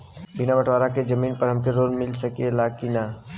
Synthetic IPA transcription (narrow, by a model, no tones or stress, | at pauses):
bɪnabəʈʰʋaːɾaked͡ʒəmiːnpəɾɦɐmkeɾoːlmɪlsəkielaːkina